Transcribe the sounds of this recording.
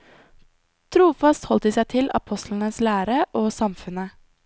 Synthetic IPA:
t̪ʰɾuːfɑst̪hɔlt̪̚d̪iːsæɪt̪ʰɪlʔɑ̰pʰɔst̪ʰln̩əslæːɾəʔoːsɑmfʉnə

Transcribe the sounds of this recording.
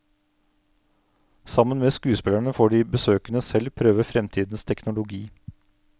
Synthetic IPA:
sɑmənmeːskʉːspɪlæɳəfoːɖiːbəsøːkənəsɛlpʰɾøːʋəfɾɛmt̪ʰiːd̪n̩st̪ʰɛknʊlʊɡiː

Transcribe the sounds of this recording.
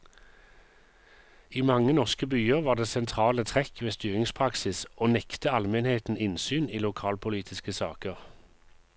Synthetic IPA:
iːmɑŋənɔʁskəbyːəʁʋɑːʁd̪eːsɛnt̪ʰʁɑːlət̪ʰʁɛkʋeːst̪yːʁɪŋspʰʁɑksɪsoːnɛkt̪əɑlmɛnheːt̪n̩ɪnsyːniːlʊkʰɑːlpʰʊliːt̪ʰɪskəsɑːkəʁ

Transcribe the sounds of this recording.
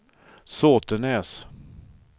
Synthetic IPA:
soːt̪ənɛːs

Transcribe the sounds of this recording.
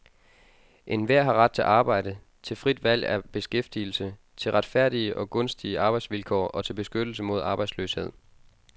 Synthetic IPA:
ʔe̝nʋæɐ̰ɦɑ̈ʁɑ̈d̥̚t͡sʰe̝lʔɑ̈ːb̥ɑ̈ɪ̰d̥ə | t͡sʰe̝lfʁid̥ʋæl̰æɐb̥e̝sɡ̥efd̥iːl̩sə | t͡sʰe̝lʁɑ̈d̥fæɐ̰ɾ̥iəʔɒ̽ɡ̥ɔ̽nsd̥iəʔɑ̈ːb̥ɑ̈ɪdsʋilkʰɒ̰ːɒ̽t͡sʰe̝lb̥e̝sɡ̥ød̥l̩səmo̝ð̞̰ˠɑ̈ːb̥ɑ̈ɪ̥slø̰ːshe̝ð̞̰ˠ

